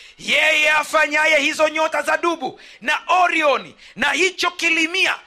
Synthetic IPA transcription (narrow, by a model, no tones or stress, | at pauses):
jɛjɛafaɲajɛhizɔɲɔtazaɗuɓu | naʔɔɾiɔnḭ | nahit͡ʃɔkilimia̰